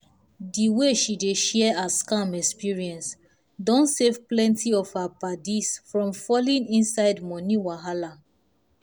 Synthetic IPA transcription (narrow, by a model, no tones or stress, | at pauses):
diweʃideʃɛaskãmɛkspiɹiɛ̃ns | dɔ̃nsevplɛ̃ntiɔvhapadisfɹɔ̃mfɔlĩnĩnsaɪdmɔniwaɦala